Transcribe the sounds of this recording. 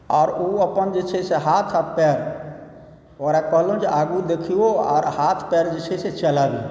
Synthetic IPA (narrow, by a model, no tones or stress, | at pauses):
ɔːɾuəpənd͡ʒət͡ʃʰeseɦaːt̪ʰapɛːɾ | oɾakəɦlõd͡ʒaːɡuɾd̪ekʰioɔ̰ːɾhat̪ʰpɛɾd͡ʒɪt͡ʃʰeset͡ʃəlaːʋi